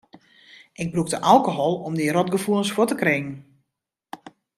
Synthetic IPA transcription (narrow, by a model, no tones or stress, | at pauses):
ʔɪɡ̚brukdəʔalˠkoɦɔlˠɔmdiɾɔtɡəfulˠənsfotəkrɪŋən̩